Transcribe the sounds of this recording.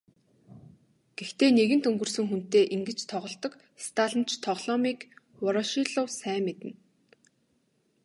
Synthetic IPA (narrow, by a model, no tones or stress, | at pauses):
ɡ̥ext̪eːneɣɘ̆nt̪ɵŋɡɵ̆r̥sɵ̆ŋxun̥t̪eːʔiŋɡɘ̆t͡ɕt̪ʰɔʁɞ̆ɬt̪ɞ̆k | st̪ʰaːɮə̆n̥t͡ɕt̪ʰɔʁɮ̥ɔmiːk | ʊɾɔʃiɮʊːsæːmet̪ɘ̆n